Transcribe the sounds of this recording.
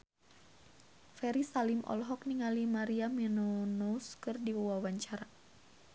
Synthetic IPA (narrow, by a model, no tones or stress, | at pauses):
fɛɾisalimʔɔ̰lɦɔk̚niŋalimaɾiamɛnonouskɨrdiwɔwawaɲt͡ʃaɾa